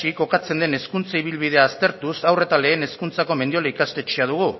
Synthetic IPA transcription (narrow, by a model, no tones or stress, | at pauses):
iko̞kat͡se̞nd̪e̞ne̞skunt͡saiβ̞ilβið̞e̞aːst̪e̞ɾt̪usawre̞t̪ale̞ːne̞skunt͡sako̞me̞nd̪io̞laikast̪e̞t͡ʃeað̞uɣ̞u